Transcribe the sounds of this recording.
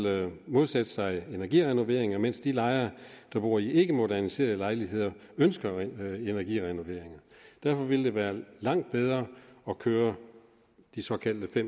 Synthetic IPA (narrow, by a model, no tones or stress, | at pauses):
mo̝ð̞ˠsed̥əsɑ̈ɪe̝næɐɡ̥iʁɛno̝ʋe̝ɐ̰eŋɐmen̰sd̥ilɑ̈ɪɐd̥ɑ̈b̥ʁuːɐiʔe̝ɡ̥əmo̝dæɐnise̝̰ːɐðˠəlɑ̈ɪliɦe̝ð̞̰ˠɐ | ønsɡ̥ɐe̝næɐɡḭʁɛno̝ʋe̝ɐeŋɐd̥æɐfɒ̽ʋeld̥e̝ʋæːɐlɑ̈ŋ̰d̥̚b̥eð̞ˠʁɐːɒ̽kʰøːɐ | d̥isɒ̽kʰæl̰d̥əfem̰